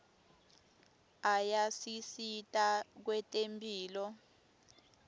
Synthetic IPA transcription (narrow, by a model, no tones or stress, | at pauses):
ajasisitʼak̬wɛtʼempʰʼiːlɔ